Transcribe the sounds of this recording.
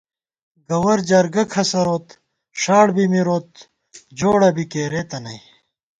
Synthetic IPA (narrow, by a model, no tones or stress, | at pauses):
ɡɐwɐɾd͡ʑɐɾɡɐkʰɐsɐɾoːt̪ | ʂaːɽbimiɾoːt̪̚ | d͡ʑoːɽɐbikeːɾeːt̪ɐnɐi